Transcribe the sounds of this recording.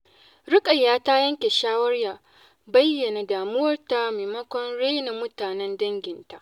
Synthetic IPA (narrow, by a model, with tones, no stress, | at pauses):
ɽɪ˦kʼɐ˨jːaː˦ta˦jɐ˦ŋkʲe˨ʃaː˦wɐ˦rjaː˨ | bɐ˦jːɐ˨na˨daː˨mʊ˦wɐ˦rta˦meː˨mɐ˦kʷɔ˦nɽe˦na˨mʊ˦taː˨nɛ˦ndɐ˦ŋɡʲɪ˨nta˨ʔ